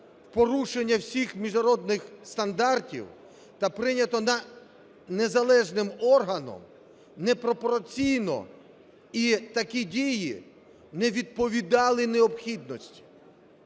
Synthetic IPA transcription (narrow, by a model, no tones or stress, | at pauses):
pɔɾuʃenʲːɐwsʲixmʲiʒnɐɾɔd̪nɪxst̪ɐnd̪ɑrtʲḭw | t̪ɐpɾɪnʲɐt̪ɔnɐ | nezɐlˠɛʒnɪmɔrɦɐnɔ̰m | nepɾɔpɔɾɐt͡sʲijnɔ̰ | it̪ɐkʲidʲiji | nɛʋʲid̪̚pɔʋʲid̪ɑlˠɪneɔbxʲid̪nɔsʲtʲi̥